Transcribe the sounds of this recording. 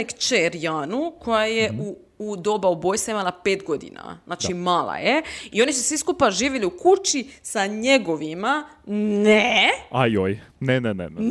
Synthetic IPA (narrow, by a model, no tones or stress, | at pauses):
ekt͡ʃeɾjaːnukʰo̞jajeuː | d̪o̞baubojsaimalˠapeːt̪ɡo̞d̪ḭna̰znaːt͡ʃimaːlˠa̰jeio̞nisusʋiskupaʒiːʋiliukut͡ʃisaɲeɡo̞ʋimaneajojnenenɛ̰